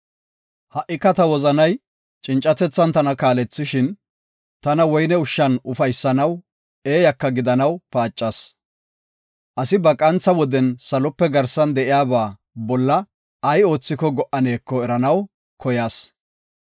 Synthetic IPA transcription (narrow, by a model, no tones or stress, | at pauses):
hɐʔɪkːɐt̪ɐwɔzɐnɐj | t͡ʃʼɪnt͡ʃʼːɐt̪ɛt͡sːɐnt̪ɐnɐkaːlɛt͡sːɪʃɪn | t̪ɐnɐwɔjnɛʊʃːɐnʊfɐjsːɐnɐw | e̞ːjɐkːɐɡɪd̪ɐnɐwpaːt͡ʃʼːɐs | ʔɐsɪbɐkʼɐnt͡sːɐwɔd̪ɛnsɐlɔpːɛɡɐɾsɐnd̪ɛʔɪjaːbaː | bɔlːɐː | jo̞ːt͡sːɪkɔɡɔʔɐne̞ːkːɔɛɾɐnɐw | kɔjaːs